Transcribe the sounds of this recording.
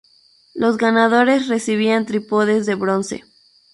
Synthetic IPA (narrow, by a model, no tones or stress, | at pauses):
lo̞zɣanað̞o̞ɾe̞sre̞siβiant̪ɾipoðe̞zðe̞βɾo̞nse̞̰